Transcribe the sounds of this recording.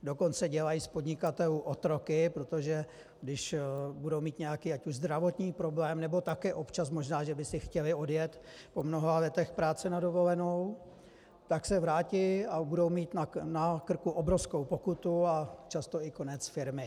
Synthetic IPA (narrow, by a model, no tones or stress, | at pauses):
do̞ko̞nt͡sɛɟɛlajiːspo̞dɲɪkat̪ɛluːʔot̪ɾo̞kɪpɾo̞t̪oʒɛ | ɡdɪʃbudowmiːt̪ɲɛjakiːacuʒzd̪ɾavo̞t̪ɲiːpɾo̞blɛːmnɛbo̞t̪akɛːʔo̞pt͡ʃasmo̞ʒnaːʒɛbɪsɪxcɛlɪo̞djɛt̪po̞mno̞ɦavjɛt̪ɛxpɾaːt͡sɛnado̞vo̞lɛnow | t̪aksɛvɾaːcɪabudo̞wmiːt̪nanakr̩kuʔobɾofskowpo̞kut̪uat͡ʃast̪oɪko̞nɛt͡sfɪɾmɪ